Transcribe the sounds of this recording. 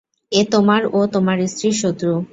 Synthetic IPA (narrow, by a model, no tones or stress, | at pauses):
et̪omaɾot̪omaɾist̪ɾiʃot̪ːɾo